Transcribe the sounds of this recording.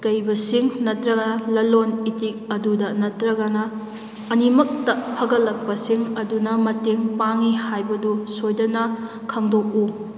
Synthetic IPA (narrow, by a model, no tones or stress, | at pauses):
kɐjbɐsiŋnɐtɾɐɡɐnɐlɐlonitik̚ɐdudɐnɐtɾɐɡɐnɐː | nimɐk̚tɐpʰɐɡɐlːɐk̚pɐsiŋɐdunɐmɐteŋpaŋihajbɐdusojdɐnɐ | kʰɐŋdok̚u